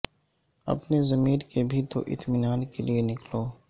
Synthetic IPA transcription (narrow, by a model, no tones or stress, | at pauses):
ɐ̰pnezɐmiːɾkebʱit̪o̰ʔɪ̰t̪mɪnaːnkelienɪkloː